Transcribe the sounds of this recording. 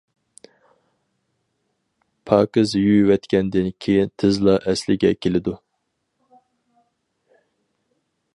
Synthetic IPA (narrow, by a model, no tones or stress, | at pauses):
pʰɑːkɨzjywɛt̪kʲʰɛnd̪ɪnkʲʰejint̪ʰɨzlˠɑʔɛslɪɡʲɛkʲʰelɪd̪u